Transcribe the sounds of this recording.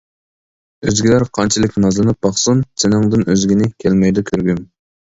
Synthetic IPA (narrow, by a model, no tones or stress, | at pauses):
øzɡʲilæɾqʰɑnt͡ʃʰilɪkʲnnɑzlˠɨnɨp̚bɑχsunsɪnɪŋd̪ɨnøzɡʲinɪkʲʰɛlmɛjd̪ɛkʲʰøɾɡʲym